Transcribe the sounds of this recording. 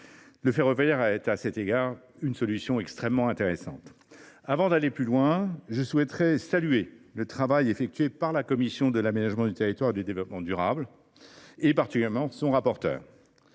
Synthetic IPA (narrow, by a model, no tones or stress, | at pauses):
ləfɛʁəvəjɛʁaɛt̪asɛt̪eɡaʁ | ynsɔlysjɔ̃ɛkst̪χɛmːɑ̃ɛ̃t̪eʁesɑ̰̃t̪ | avɑ̃d̪aleplylwɛ̃ʒəswɛt̪χɛsalɥelət̪χavajefɛk̚t̪ɥepaʁlakɔmisjɔ̃d̪əlamenaʒmɑ̃d̪yt̪eʁit̪waʁed̪ed̪evlɔpmɑ̃d̪yʁabl | epaʁt̪ikʲyyɛʁmɑ̃sɔ̃ʁapɔʁt̪œ̰ːʁ